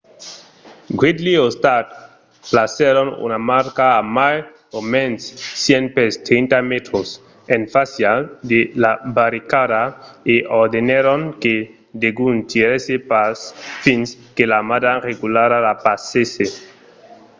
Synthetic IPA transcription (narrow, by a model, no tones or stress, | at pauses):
ɡwid̪liost̪at̪ | plaseɾonṵnamaɾkaːmaj | omensːjenpest̪ɾint̪amet̪ɾos | enfasjad̪elabaɾikadaeʔoɾd̪eneɾoŋke | d̪eɡunt̪iɾesepasfinskelamad̪areɣulaɾalapasese